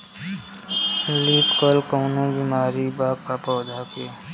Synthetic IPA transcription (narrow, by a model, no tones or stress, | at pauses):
liːpkɔlkoːnõbiːmaːɾibaːkkapɔːd̪ʱakeː